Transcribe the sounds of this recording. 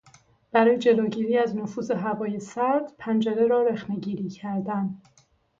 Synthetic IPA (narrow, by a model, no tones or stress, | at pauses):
b̥æɾɒːjed͡ʒe̞loːɟiːɾiːæznofuːze̞ɦævɒːje̞sæɾd̪̥pʰænd͡ʒe̞ɾeɾɒːɾexne̞ɟiːɾiːcʰæɾd̪æn